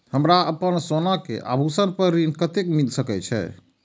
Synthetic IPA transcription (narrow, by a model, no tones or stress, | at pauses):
həmɾaəpənsonakḛʔa̰bʱusənpəɾɾinkət̪ekmilsəkɛt͡ʃʰɛ̰